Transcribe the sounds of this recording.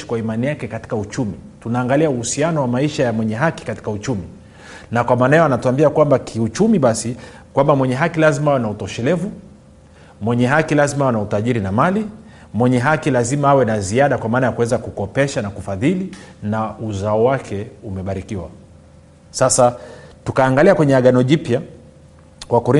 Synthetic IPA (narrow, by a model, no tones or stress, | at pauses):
i̥kwaimanijakɛkati̥kaut͡ʃumitunaːŋɡaliauhusianɔwamaiʃajamwɛɲɛɦaki̥kati̥kaut͡ʃumi | nakwamaːnajɔanatuambiakwambakʰiut͡ʃumiɓasikwambamwɛɲɛɦakilazimaawɛnautɔʃɛlɛvu | mwɛɲɛɦakilazimawɛnautaʄiɾinamali | mwɛɲɛɦakilazimaawɛnaziaɗakwamaːnajakuwɛzakukɔpɛʃanakufaðilinauzaɔwakʰɛumɛɓaɾikiwa̰ | sasatukaːŋɡaliakwɛɲɛaɠanɔʄipja | kwakɔɾi